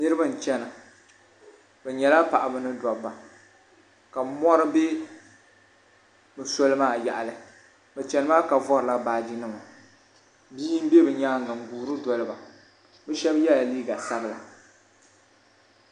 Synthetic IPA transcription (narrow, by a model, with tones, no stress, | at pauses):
nɨ˦ɾɨ˦ba˦n̩˨t͡ʃɛ˦na˨ | bɛ˨ɲɛ˨la˦pa˨ʔa˨bɨ˦nɨ˦dɔ˨bːa˨ | ka˨bmɔ˦ɾɨ˦be˦ | bɛ˨so˦lɨ˦maː˦˨ja̰˨ʔa˨lɨ˨ | bɛ˨t͡ʃɛ˨nɨ˦maː˦ka˨vɔ˦ɾɨ˨la˦baː˨d͡ʒi˦nɨ˦ma˨ | biː˦m˦be˦bɨ˨ɲaː˦ŋ˨ɡa˨ŋ˨ɡuː˨ɾɨ˦dɔ˨lɨ˦ba˨ | bɛ˦ʃɛ˦bjɛ˦la˨liː˦ɡa˨sa˦bɨ˦la˨